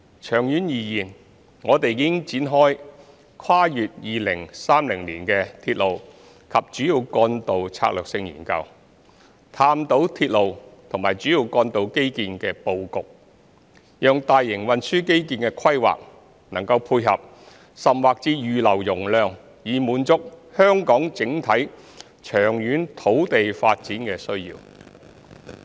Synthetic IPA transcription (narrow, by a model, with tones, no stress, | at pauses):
t͡ʃʰœː˨˩ŋjyː˨˥njiː˨˩jiː˨˩n | ŋɔː˨˧t̪e˨jːɪ˥ŋt͡siː˨˥nɦɔː˥j | kʰaː˥jyː˨t̚jiː˨lɪ˨˩ŋsaː˥mlɪ˨˩ŋliː˨˩nkɛ˧t̪ʰiː˧t̚lo˨w | kʰɐ˨p̚t͡ʃyː˨˧˥jiː˨˧wkɔː˧nt̪o˨wt͡sʰa̰˧k̚lœː˨k̚sɪ˧ŋjḭː˨˩nkɐ̰˧w | t̪ʰaː˧mt̪o˨˥wt̪ʰi˧t̚lo˨wt̪ʰʊ˨˩ŋmaː˨jt͡ʃyː˨˥jiː˧wkɔː˧nt̪o˨˥wke˥jkiː˧nkɛː˧po˧wkʊ˨k̚ | jœː˨ŋt̪aː˨jːɪ˨˩ŋwɐ˨nsyː˥ke˥jkiː˧nkɛː˧kʰɐ˥jwa̰ː˨k̚ | nɐ˨˩ŋkɐ˧wpʰuː˧jɦɐ˨p̚ | sɐ˨mwaː˨k̚t͡siː˧jyː˨lɐ˨˩wjʊ˨˩ŋlœː˨ŋ | jiː˨muː˨˧nt͡sʊ˥k̚hœː˥ŋkɔː˨˥ŋt͡sɪ˨˥ŋt̪ʰɐ˨˥j | t͡ʃʰœː˨˩ŋjyː˨˥nt̪ʰo˨˥wt̪e˨jfaː˧t̚t͡siː˨˥nkɛː˧sɵ˥ɥjḭː˧w